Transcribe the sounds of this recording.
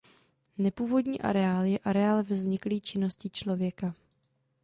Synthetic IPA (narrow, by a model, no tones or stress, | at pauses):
nɛpuːvo̞dɲḭːʔa̰ɾɛaːljɛʔaɾɛaːlvzɲɪkliːt͡ʃɪno̞scɪt͡ʃlo̞vjɛka